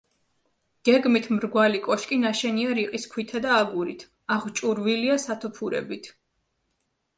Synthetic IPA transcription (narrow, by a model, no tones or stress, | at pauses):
ɡ̥ɛɡmit̪ʰmɾɡwalikʼɔʃkʼinaʃɛniaɾiqʼiskʰwit̪ʰad̪aːɡuɾit̪ʰ | aʁt͡ʃʼuɾviliasat̪ʰupʰuɾɛ̰bit̪ʰ